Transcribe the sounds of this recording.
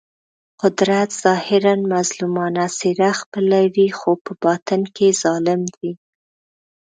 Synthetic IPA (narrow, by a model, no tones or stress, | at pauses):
qʊd̪ɾat̪z̥ɑhɪɾanmazlumɑnasiɾaxpəlawixopəbɑt̪ənkezɑlɪmd̪i